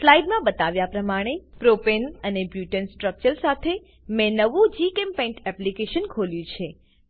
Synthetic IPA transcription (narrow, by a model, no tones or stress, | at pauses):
slaiɖmãbət̪aʋjapɾəmaɽ̃epɾopenənebjuʈənsʈɾək̚t͡ʃəɾsat̪ʰe | mɛ̃nəʋũd͡ʒikempɛ̃ɳʈɛplikeʃənkʰoljũt͡ʃʰe